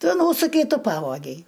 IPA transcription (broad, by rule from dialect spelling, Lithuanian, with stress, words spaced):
ˈtʊ ˈnuːsʊkʲɛɪ ˈtʊ ˈpɑːʋoːɡʲɛɪ